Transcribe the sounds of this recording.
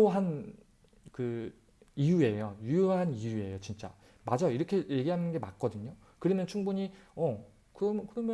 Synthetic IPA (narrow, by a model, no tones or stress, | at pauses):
oɦan | kɯ | ijue̞jojujoɦanijue̞jot͡ɕint͡ɕ͈a̰ | mad͡ʑajoiɾʌkʰe̞je̞ɡiɦanɯnɡe̞mak̚k͈ʌdɯɲo | kɯɾimɯnt͡ɕʰuŋbuɲiʌ | kɯʌmkɯɾʌmjʌ